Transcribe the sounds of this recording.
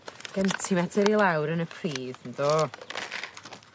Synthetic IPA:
ɡ̥əntʰimɛdɛɾilˠawɾənəpʰriːðn̩doː

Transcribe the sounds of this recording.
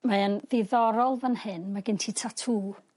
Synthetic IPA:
maənðɪðɔɾɔlˠvənhɪnmaɡɪntʰiːtʰatʰuː

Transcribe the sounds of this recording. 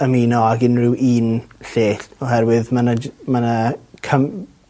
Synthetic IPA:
əmiːnɔaɡɪnrɪwʔiːnɬeːɬɔɦɛrwɪðmanəmanəkʰəm

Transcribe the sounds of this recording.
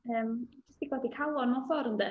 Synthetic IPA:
əːmd͡ʒɪstiɡwadikʰalˠɔnɔfɔɾənd̪ɛ

